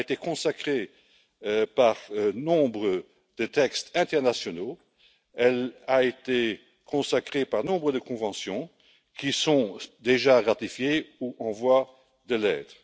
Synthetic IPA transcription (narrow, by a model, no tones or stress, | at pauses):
et̪ekɔ̃sakχe | paʁnɔ̃bʁə | d̪̥ət̪ɛkst̪ɛ̃t̪ɛʁnasjɔno | ɛlaet̪e | kʰɔ̃sakχepaʁnɔ̃bʁəd̪əkɔ̃vɑ̃sjɔ̃ | kisɔ̃d̪eʒaʁat̪ifjeuʔɑ̃vwa | d̪əlɛːt̪ʁ